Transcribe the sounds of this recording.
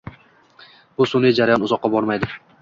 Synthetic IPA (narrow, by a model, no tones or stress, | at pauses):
b̥ʊsʊnɪjd͡ʒaɾajɒnʊzɒqːɑbɒɾmajd̪ɪ